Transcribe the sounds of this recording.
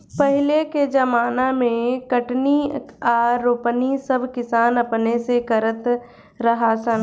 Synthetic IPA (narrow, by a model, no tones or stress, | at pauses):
pɐɦɪleked͡ʒɐmaːnamẽkɐʈniaːɾoːpnisɐbʱkɪsaːnɐpnesekɐɾət̪ | ɾɐɦasən